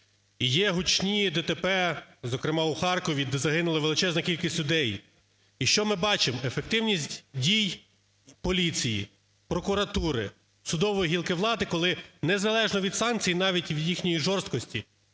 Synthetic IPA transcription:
ijɛɦʊt͡ʃnʲid̪ɛt̪epɛzɔkɾɪmɑuxɑrkɔʋʲid̪ɛzɐɦɪnʊlˠɐʋelˠɪt͡ʃɛznɐkʲilʲkʲisʲtʲlʲʊd̪ɛj | iʃt͡ʃɔmɪbɑt͡ʃɪmefek̚t̪ɪwnʲisʲtʲdʲij | pɔlʲit͡sʲijḭ | pɾɔkʊɾɐt̪uɾɪ | sʊd̪ɔʋɔjiɦʲilˠkɪʋlˠɑd̪ɪkɔlˠɪnezɐlˠɛʒnɔʋʲid̪sɑnk̚t͡sʲijinɑʋʲitʲʋjixnʲɔjiʒɔrst̪̚kɔsʲtʲi

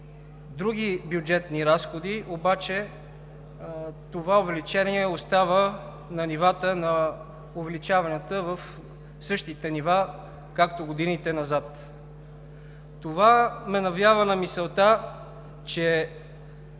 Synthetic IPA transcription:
d̪ɾuɡ̟ibjud͡ʒɛt̪niɾasxod̪iobat͡ʃɛ | t̪ovaovɛlit͡ʃɛniɛost̪avə | nɐnivat̪ənɐ | ovɛlit͡ʃavɐnʲət̪əvəf | sɤʃt̪it̪ɛniva | kakt̪oɡod̪init̪ɛnɐzat̪ | ovamɛnɐvlʲjavənɐmisɛlˠt̪a | t͡ʃɛ

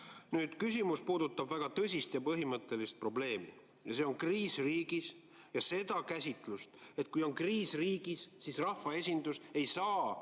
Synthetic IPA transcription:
nyːd̪̥kys̬ʲimuspuːd̪̥ut̪ːˑɑbvæɡ̥ɑt̪ɤsʲist̪jɑpɤɦimɤt̪ːˑe̞list̪̚pro̞ble̞ːmi | jɑse̞o̞nkriːsriːɡ̥is | jɑse̞d̪̥ɑkæsʲit̪ˑlust̪e̞t̪̚ˑkujo̞nkriːsriːɡ̥isːisrɑfːɑe̞sʲind̪̥use̞jsɑː

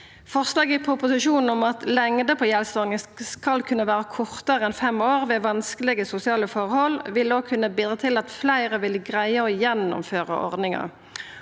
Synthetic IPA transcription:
fɔʁslɑːɡɪpʰɾʊpʊsɪʃuːnn̩ɔmɑt̪lɛŋd̪əpʰɔːjɛlst̪ɔʁnɪskɑlkʰʉnːəʋæːʁəkʰɔʁt̪əʁəɛnfɛmoːʁʋeːʋɑnskəlɪɡəsʊsɪɑːləfɔʁhɔlːʋɪld̪oːkʰʉnːəbiːd̪ʁɑt̪ʰɪlɑt̪flæɪʁəʋɪlɡʁæɪəɔjɛnːʊ̰mføːʁə̰ʔɔ̰ʁd̪nɪŋɑ̰

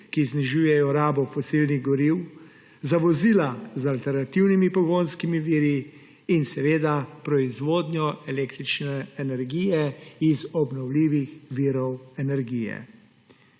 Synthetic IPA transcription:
kizniʒuːjɛjɔɾaːbɔfɔsilniɣɡɔɾiw | zaʋɔziːlazalt̪ɛɾnat̪iwnimipɔɡoːnskimiʋiːɾi | insɛʋeːd̪apɾɔizʋoːd̪njɔɛleːkt̪ɾit͡ʃnɛːnɛɾɡiːjɛizɔbnɔwliːʋixʋiːɾɔwɛnɛɾɡiːjɛ̰

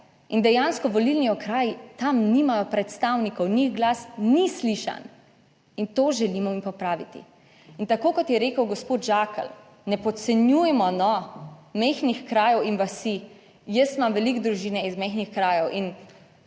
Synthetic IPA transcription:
ind̪ɛjanskɔʋɔlilniɔkɾaːjt̪amnimajɔpɾɛt̪st̪awnikɔwnixɡlaːsnisliʃa̰n | int̪oːʒɛlimɔimpɔpɾaːʋit̪ḭ | int̪akoːkɔt̪jɛɾeːkəwɡɔspoːt̪ʒaːkə̰l | nɛpɔt̪sɛnjujɛmɔnɔmexnixkɾaːjɔwinʋasi | jəsmamʋɛlikd̪ɾuʒiːnɛizmɛxnixkɾaːjɔwʔin

